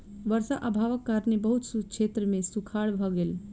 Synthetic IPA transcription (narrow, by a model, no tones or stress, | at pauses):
ʋəɾsaʔəbʱaʋəkːaɾnebəɦut̪sukt͡ʃʰet̪ɾəmẽsukʰaɽbʱɔɡel